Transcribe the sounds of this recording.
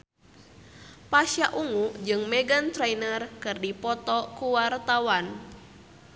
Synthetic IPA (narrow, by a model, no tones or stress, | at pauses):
pasjaʔuŋud͡ʒɨŋmɛɡant̪ɾɛinərkɨrdipɔt̪ɔkuwart̪awan